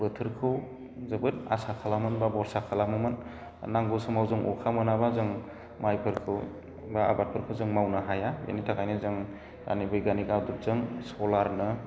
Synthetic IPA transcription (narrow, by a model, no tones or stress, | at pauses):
bɯtʰɯɾkʰɯw | zɯbɯta̰sakʰalamɯnbabɔɾsakʰalamɯmɯn | naŋɡɯsɯmawzɯŋʔɔ̰kʰamɯnabazɯŋ | majpʰɯɾkʰɯw | baa̰bat̚pʰɯɾkʰɯwzɯŋmawnaɦajaja̰nitʰaɡajnɯzɯŋ | a̰nibɯjɡaniɡawdup̚zɯŋsɔlaɾnɯ